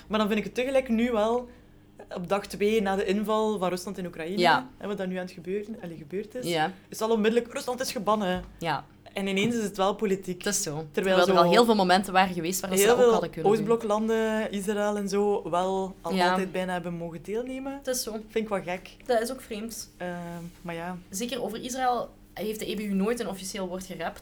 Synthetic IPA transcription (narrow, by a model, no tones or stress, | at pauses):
maːrdɑnvɪntɪkətːəɣəlɛjknyʋɛlˠ | ɔb̚dɑxtʋeːnaːdəʔɪnvɑlˠvɑnrɵslɑntɪnukrɑinəɦɛ̰ʋɑt̚daːrnyaːntxəbøːrɑleɣəbøːrtɪsaɪsɑlˠɔnmɪdələkrɵslɑntɪsxəbɑnəja | ɛnɪneːnsɪsətʋɛlˠpolitikɪsoːtərʋɛːlɛːlzəɑlˠeːlˠvɪːlˠmomɛntənʋaːɾəɣəʋeːstʋaːrdeːlˠveːlˠɑdəkɵnːsblɔklɑndəis̬raɛlˠɛnzoːʋɛlˠɑlˠɑlˠɛːd̚bɛjnaːɦɛbənmoːɣədeːlˠneːmətɪsoːfɪnɪkʋɛlˠɣɛk | dɑtɪsoːkfreːmtəːmajaːzeːkəroːvərisraɛlˠ | ɦeːft̚dəebeynoːjtənɔfiseːlˠʋɔrtxərɛpt